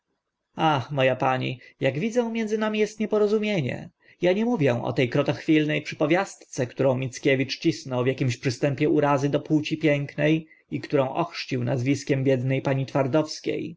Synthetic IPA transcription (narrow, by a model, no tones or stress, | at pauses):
axmɔjapaɲḭjaɡvʲid̪zɛw̃mʲjɛnd̪zɘnamʲijɛst̪ɲɛpɔɾɔzumʲjeɲɛ̰ | jaɲɛmuvʲjɛ̃ʔɔ̰t̪ɛjkɾɔt̪ɔxfʲilnɛjpʂɘ̥pɔvʲjast̪t̪sɛkt̪uɾɔ̃w̃mʲit̪skʲevʲit͡ʂt͡ɕisnɔwvʲjakʲimɕpʂɘst̪ɛmpʲjɛuɾazɘd̪ɔput͡ɕipʲjɛŋknɛj | ikt̪uɾɔ̃w̃ʔɔxʂt͡ɕiwnazvʲiskʲɛmbʲjɛd̪nɛjpaɲit̪faɾd̪ɔfskʲḛj